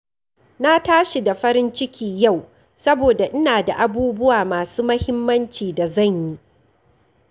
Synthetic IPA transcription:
na˦taː˦ʃi˨da˨ɸɐ˦ɾɪ˦nt͡ʃɪ˦kʲiː˨ja˦˨w | sɐ˦boː˨da˨ʔɪ˦naː˨da̰˨ʔa˨buː˦bʊ˦waː˨maː˨suː˦mɐ˦hɪ˦mːɐ˦nt͡ʃiː˨da˨zɐ˦˨ɲji˦ʔ

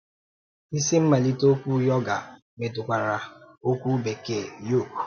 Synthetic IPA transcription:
i˦si˦m̩˦ma˨li˦to˦kʷu˦jɔ˦ɡa˨ | me˨tʊ˨kʷa˨ɾa˨ | o˦kʷu˦be˨ke˨jo˦˨ku̥˨

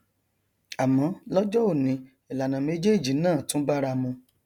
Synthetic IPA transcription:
a˨mɔ̃˨˦lɔ˦d͡ʒɔ˦o˦˨nĩ˨˧˦ | i˨la˨nã˨me˨˦d͡ʒe˦˨d͡ʒi˨˦nãː˦˨tũ˦ba˦ɾa˧mũ˧

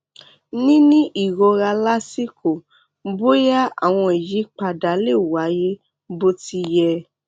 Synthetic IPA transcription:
nĩ˦nĩ˦ʔi˨ɾɔ˧ɾa˧la˦si˦ko˨ | bo˦ja˦a̰˦˨w̃ɔ̃˧e˨ji˨˦k͡pa˧da˨˦le˦˨wa˨˦je˦ | bo˦ti˧jɛ˧

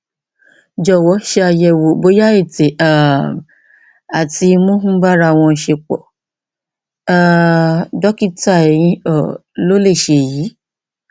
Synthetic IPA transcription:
d͡ʒɔ˨wɔ˨˦ʃe˧a˧jɛ˧wo˨bo˨˦ja˦e˦˨te˨a˨ | a˨ti˧˦mõ˦ɦũ˦ɡ͡ba˦ɾa˧˨w̃ɔ̃˧ʃe˧k͡pɔ̰˨ | a˨dɔ˨˦ki˦ta˦˨ɛ˨j̃ĩ˧ɔ˨ | lo˦le˦˨ʃe˧˨ji˨˦

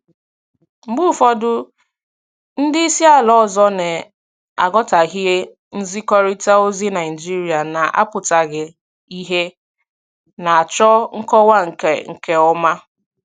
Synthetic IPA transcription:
m̩˨ɡ͡bʊ˦˨fɔ˦dʊ˦ | n̩˦dɪ˦i˦si˦a˦˨lɔ˦˨zɔ˦ne˨ | a˨ɡɔ˦ta˨ɣi˦ɦe˦ | n̩˦zi˦kɔ˦ɾi˦ta˦o˦zi˦na˨ɪ˨d͡ʒi˦ɾi˨a˨na˨ʔa̰˦pʊ˨ta˨ɡɪ˨ | i˦ɦe˦ | na˨a˨t͡ʃɔ˦ŋ̩˦kɔ˦wa˦ŋ̩˨ke˨ŋ̩˨ke˦ɔ˦ma˦

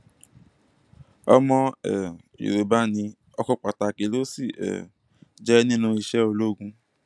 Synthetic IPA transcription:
ɔ̰˧mɔ̃˧ɛ˨ | jṵ˨ɾo˨ba˦nĩ˧ | ɔ˧kɔ˧k͡pa˨ta˨ke˨˦lo˦si˦˨ɛ̰˨ | d͡ʒɛ˦nĩ˦nũ˧i˧ʃɛ˦o˧lo˦ɡũ˧

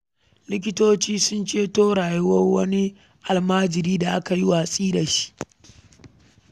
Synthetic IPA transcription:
lɪ˦k̬ʲɪ˦toː˦t͡ʃiː˦sʊ˦nt͡ʃeː˦toː˦ɽaː˨ju˦wɐ˦rwɐ˦ni˦ | ʔa˨lmaː˦d͡ʒɪ˨ɾiː˦da˨ʔa˦ka˨ji˦waː˨sʼiː˦da˨ʃi̥˦ʔ

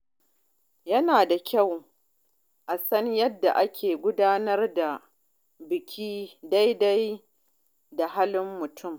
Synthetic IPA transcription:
jɐ˦naː˨da˨kʲʰa˦˨w | ʔa˨sɐ˦ɲjɐ˦dːa̰˨ʔa˦kʲʰeː˨ɡʷʊ˦daː˦nɐ˦rda˨ | bɪ˨kʲʰiː˦da˦jda˦j | da˨ɦa˦lɪ˦mːʊ˨tʰʊ˦˨m

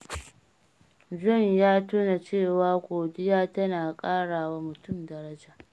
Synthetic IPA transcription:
d͡ʒɔ˦˨njaː˦tuː˦na˨t͡ʃeː˦˨waː˦kʷoː˨dɪ˦jaː˦tɐ˦naː˨kʼaː˦ɽaː˨wa˦mʊ˨tʊ˦˨mdɐ˨ɾɐ˦d͡ʒaː˨

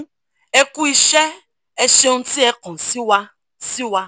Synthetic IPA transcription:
e˦ku˦i˦ʃe˦ | e˦so˦n̩˦ti˦e˦kɔ̃˨si˦wa˦ | si˦wa˦

